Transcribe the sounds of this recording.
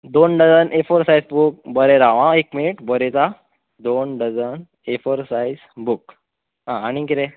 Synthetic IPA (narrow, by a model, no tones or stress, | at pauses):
d̪onɖəd͡zənʔefəɾsajzbuk̚bəɾeɾaʋãekminiʈbəɾɛt͡sa | d̪onɖəd͡zən | efəɾsajd͡zbuk | ɦãañiɡiɾɛ